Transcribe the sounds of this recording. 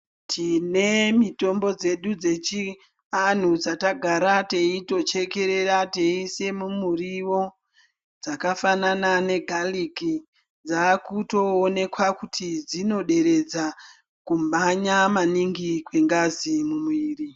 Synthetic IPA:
tʰine̞mito̞mbo̞d͡ze̞ɗud͡ze̞t͡ʃi | an̤ud͡zataɡʱaɾate̞ito̞t͡ʃe̞ke̞ɾeɾate̞ise̞mumuriwo̞ | d͡zakafananane̞ɡʱaliki | d͡zakuto̞ːne̞kwakutʰid͡zino̞ɗe̞ɾe̞d͡za | kumbaɲamaniŋɡikwe̞ŋɡazimumiːri

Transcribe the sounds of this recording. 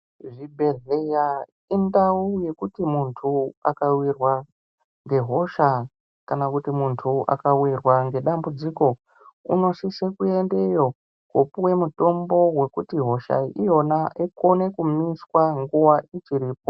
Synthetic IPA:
ʐibʱe̞ɮeja | indauje̞kutimuntʰua̰kawirwa | ŋɡe̞ɦo̞ʃa | kanakutimuntʰuʔa̰kawirwaŋɡe̞ɗambud͡ziko̞ | ṵno̞sisekue̞ndejo̞ | kopuwe̞muto̞mbo̞we̞kutiɦo̞ʃa̰ijo̞naʔikone̞kumiswaŋɡuwait͡ʃiɾiːp̚o

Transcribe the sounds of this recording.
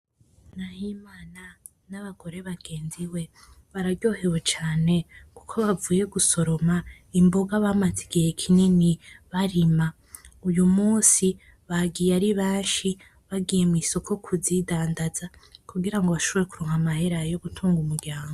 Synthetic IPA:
nahimaːna | naβaɡ̥o̞ɾe̞βaɡ̥e̞ːnziwe̞ | βaɾaɟo̞ːhewet͡ʃaːne̞ku̥kʰo̞βavuːje̞ɡuso̞ɾo̞ma | imbo̞ɡaβaːmaziɡihe̞kʰininiβaɾima | ujumuːsi | βaɡijaɾiβaːʃi | βaɡije̞mwiso̞kʰo̞kʰuzidaːndazakuɡiɾaŋɡo̞βaʃo̞βo̞ɾe̞kuɾoːŋhamahe̞ɾajo̞ɡutʰuːŋɡumuɾɟaːŋɡo

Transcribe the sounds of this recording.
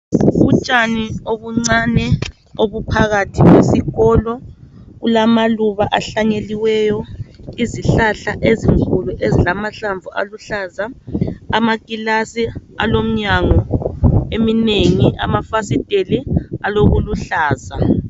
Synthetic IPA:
βut͡ʃʼanioβuŋ͡ǀanɛ | oβupʰaɣatʰiɣwesiɣɔlɔɣulamaluβaʔaɬaɲeliwɛjɔiziɬaɬaʔeziŋkʰʼuluʔezilamaɬaɱb̪vua̰luɬazaː | makʼilasia̰lom̩ɲaŋɔ | emineŋiʔa̰mafasid̥ʱʼelialoɣuluɬaːza

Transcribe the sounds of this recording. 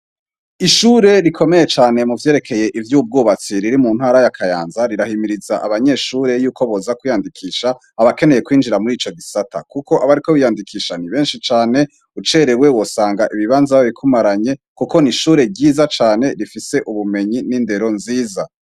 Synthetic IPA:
iʃuːɾe̞ɾikʰo̞me̞je̞t͡ʃaːne̞muvje̞ːɾe̞kʰe̞je̞ʔivjuːb̚ɡoːβat͡siɾiɾimunhaːɾajakʰajaːnzaɾiɾahimiɾizaʔaβaɲe̞ːʃuːɾe̞juːkoβozakwijandikʰiːʃa | aβake̞ne̞je̞kwiːnd͡ʒiɾamuɾiːt͡ʃo̞ɡisatʰa̰kuko̞ʔaβaɾiko̞βijaːndikʰiːʃaniβe̞ːnʃit͡ʃaːne̞ | ut͡ʃe̞ɾewe̞wo̞saːŋɡaʔiβiβaːnzaoβikʰumaɾaɲe̞ | kuko̞niʃuːɾe̞ɟiːzat͡ʃaːne̞ɾifise̞ʔuβume̞ɲininde̞ɾo̞nziːza

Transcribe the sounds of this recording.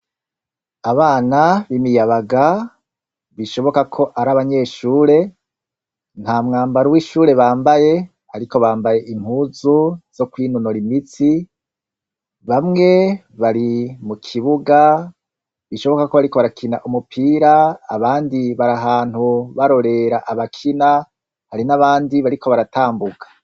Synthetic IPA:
aβaːnaβimijaβaɡa | βiʃo̞βo̞kakʰo̞ʔaɾaβaɲe̞ːʃuːɾe̞ | n̥haːmŋaːmbaɾowiʃuːɾe̞βaːmbaje̞ | aɾiko̞βaːmbaje̞ʔim̥huːzuz̥o̞kwiːnunoɾimit͡si | βamŋe̞ | βaɾimukʰiβuɡa | βiʃo̞βo̞kako̞βaɾikoβaɾakʰinaʔumupʰiːɾaːβaːndiβaɾaɦaːn̥huβaɾo̞ɾe̞ɾaʔaβakʰina | haɾinaβaːndiβaɾikʰo̞βaɾataːmbuɡḁ

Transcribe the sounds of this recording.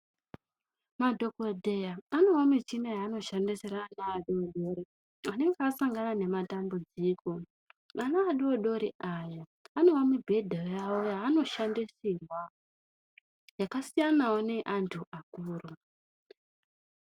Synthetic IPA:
madʱo̞kodʱe̞jaano̞wamit͡ʃinajaːno̞ʃandisiɾaːnaːɗioɗo̞ɾi | ane̞ŋɡeasaŋɡanane̞matambud͡ziːko̞ | ʋanaːɗioɗo̞ɾiajaano̞wamubʱe̞dʱajojawojaːno̞ʃandisirwa | jakasijanawo̞ne̞ʔantʰuʔakuːru

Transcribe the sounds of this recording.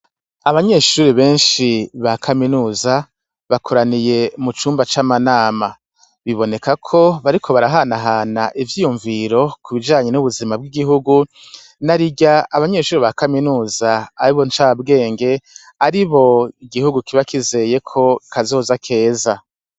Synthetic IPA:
aβaɲe̞ʃuːɾiβe̞ːnʃiβakʰaminuːza | βakʰoɾanije̞mut͡ʃuːmbat͡ʃamanaːma | βiβo̞ne̞kakʰo̞βaɾikʰo̞βaɾaɦanaɦaːnaʔivjiːjuɱviɾo̞kʰuβid͡ʒaːɲe̞nuβuzimab̚ɡiɡiɦuɡu | naɾiɟaaβaɲe̞ːʃuːɾiβakaminuːzaːɾiβo̞nt͡ʃabɡe̞ːŋɡe̞ | aɾiβo̞iɡihuɡukiβakize̞je̞kʰo̞kʰazo̞ːzakʰe̞ːza

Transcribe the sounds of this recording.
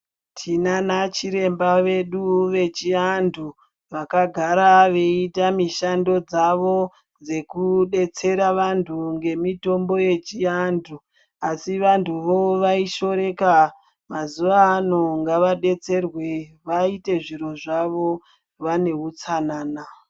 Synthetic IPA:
tʰinanat͡ʃiɾe̞mbaʋe̞ɗuʋe̞t͡ʃiandu | ʋakaɡʱaɾaʋe̞itamiʃando̞d͡zaʋo̞ | nd͡ze̞kuɗe̞t͡se̞ɾaʋantʰuŋɡe̞mito̞mbo̞je̞t͡ʃiandʰʱu | asiʋantʰuʋo̞ʋaiʃo̞ɾe̞ka | mazuʋaːno̞ŋɡaʋaɗe̞t͡se̞rwe | ʋaite̞ʐiɾo̞ʐaʋo̞ | ʋane̞ɦut͡sanaːna

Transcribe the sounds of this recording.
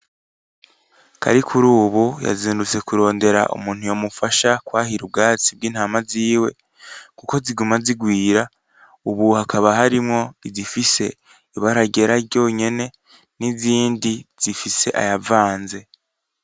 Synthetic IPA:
ka̰ɾikʰuɾuːβuja̰ziːndut͡se̞kuɾo̞ːnde̞ɾa̰ʔṵmuːn̥hujo̞mufaʃakwaːɦiɾub̚ɡaːt͡sib̚ɡiːn̥haːmaziːwe̞̰ | kuko̞ziɡumaziɡwiːɾa | uβuhakʰaβaɦaɾimŋo̞izifise̞ | iβaɾaɟe̞ɾaɾɟo̞ːɲe̞ne̞ | niziːndiz̥ifise̞ʔa̰javaːnze̞

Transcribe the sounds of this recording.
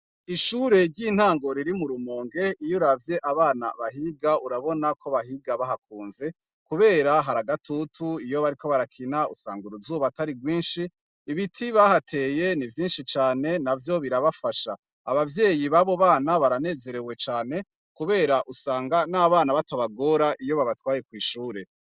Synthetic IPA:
iʃuɾe̞ɾɟiːn̥haːŋɡo̞ɾiɾimuɾumoːŋɡe̞ijuɾavje̞ʔaβaːna̰βaɦiɡauɾaβo̞nako̞βahiɡaβahak̚uːnze̞ | kuβe̞ːɾaɦaɾaɡatʰutʰuijo̞βaɾikʰo̞βaɾakʰinaṵsa̰ːŋɡuɾuzuːβataɾiɡwiːnʃiː | βitʰiβahatʰe̞ːje̞nivjiːnʃit͡ʃaːne̞navjo̞βiɾaβafaʃa | a̰βavje̞ːjiβaβo̞βaːnaβaɾane̞ːze̞ɾe̞we̞t͡ʃaːne̞ | kuβe̞ːɾaʔusaːŋɡanaβaːnaβataβaɡo̞ɾaʔijo̞βaβatwaːje̞kwiːʃuːɾe̞

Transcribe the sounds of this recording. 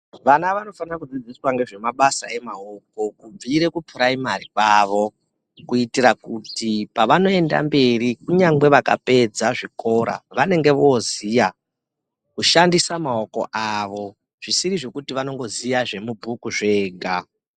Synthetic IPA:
ʋanaʋano̞fanakud͡zid͡ziswaŋɡe̞ʐe̞maɓasae̞maoko̞kub͡viɾe̞kupuɾaimaɾikaʋo̞ | kuitiɾakutipaʋano̞e̞nda̰mbe̞rikuɲaŋɡ͡be̞ʋaka̰pe̞d͡zaʐiko̞ɾa̰ʋane̞ŋɡe̞ʋoːzija | kuʃandisamao̞ko̞̰ʔaʋo̞ | ʐ̥isiɾiʐe̞kutiʋano̞ŋɡo̞zijaʐe̞mubʱukuʐe̞ːɡʱa

